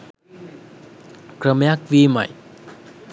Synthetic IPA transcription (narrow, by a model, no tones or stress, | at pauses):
kɾəmjak̚vima̰j